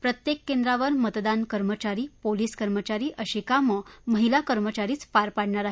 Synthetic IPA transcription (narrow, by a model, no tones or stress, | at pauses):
pɾət̪jekːend̪ɾaʋəɾmət̪d̪ankəɾmət͡ɕaɾiːpoliːskəɾmət͡ɕaɾiːʔəɕikaməməɦilakəɾmət͡ɕaɾiːt͡sfaɾpaɽɳaɾaɦ